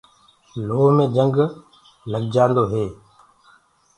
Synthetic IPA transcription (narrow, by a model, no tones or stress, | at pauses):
loːɦmẽːd͡ʒəŋɡ | ləɡd͡ʒãːnd̪oːɦeː